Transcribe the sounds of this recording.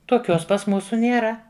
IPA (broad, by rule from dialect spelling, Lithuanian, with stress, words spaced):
toːˈkʲoːs pɐs ˈmuːsʊ nʲeːˈrɐ